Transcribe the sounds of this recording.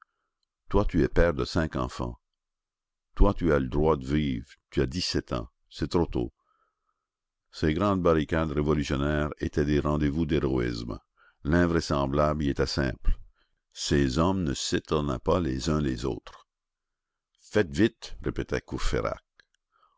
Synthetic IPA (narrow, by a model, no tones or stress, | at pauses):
t̪wat̪yɛpɛːʁd̪əsɛ̃kɑ̰̃fɑ̰̃ | t̪wat̪yaləd̪ʁwad̪əviːvt̪yad̪isɛt̪ɑ̰̃ | sɛt̪ɾot̪o̰ | seɡʁɑ̃d̪̚baʁikad̪ʁevɔlysjɔnɛːʁḛt̪ɛd̪eʁɑ̃d̪evud̪eʁɔḭsm | lɛ̃vʁɛsɑ̃blabliet̪ɛsɛ̰̃ːpl | sezɔmnəset̪ɔnɛpalezœ̃lezo̰ːt̪ʁ | fɛt̪vit̪ʁepet̪ɛkuʁfḛʁa̰k̚